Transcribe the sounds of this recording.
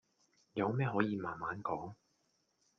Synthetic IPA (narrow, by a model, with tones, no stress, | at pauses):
jɐ˨˧wmɛː˥ɦɔː˨˥jiː˨˧maː˨nmaː˨˥nkɔː˨˥ŋ